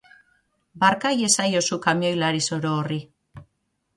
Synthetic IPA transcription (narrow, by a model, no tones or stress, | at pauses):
baɾkaje̞sajo̞sukamio̞jlaɾiso̞ɾoːri